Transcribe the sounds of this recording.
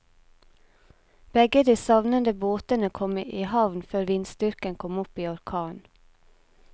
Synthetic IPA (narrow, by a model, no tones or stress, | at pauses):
b̥ɛɡəd̪iːsɑʋnənd̪əboːt̪ənəkʰɔməʔiːhɑʋnføːɾʋɪnst̪ʏɾkənkʰɔmʊpiːɔɾkʰɑːn